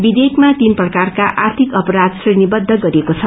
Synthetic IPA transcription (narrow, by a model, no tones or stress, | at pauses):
bid̪ekʰmat̪inprʌkarkaʔart̪ʰikʌpʌɾad̪srʌjnibʌd̪ʱːʌɡʌɾiekot͡sʰʌ